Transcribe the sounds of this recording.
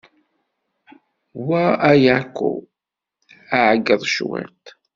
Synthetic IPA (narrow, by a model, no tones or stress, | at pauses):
waæjakːṵ | aʕəɡːəðˤʃwɪ̰ɾt̪